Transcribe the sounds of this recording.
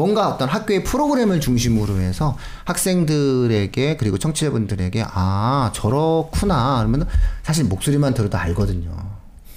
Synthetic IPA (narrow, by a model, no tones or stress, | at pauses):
mwʌnɡaʌt͈ʌnɦak̚k͈joepʰɯɾoɡɯɾe̞mɯɭt͡ɕuŋɕʰimɯɾoe̞sʰʌ | hak̚s͈e̞ŋdɯɾe̞ɡe̞kɯɾiɡot͡ɕʰʌŋt͡ɕʰiebundɯɾe̞ɡe̞ʔat͡ɕʌɾʌkʰunaɾʌmʌnsʰaɕ̬ʰiɭmok̚s͈uɾimantɯɾʌdoaɭɡʌdɯɲo̰